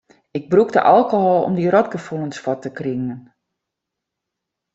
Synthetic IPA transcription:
ɪɡ̚brukdə̰ʔalˠkohɔlˠɔ̰mdiɾɔt̚ɡəfulˠənsfɔtəkrɪŋən

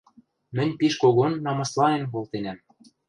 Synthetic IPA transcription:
mɘ̆nʲpiʃkoɣonːɑmɑslˠɑnenkolˠt̪enæm

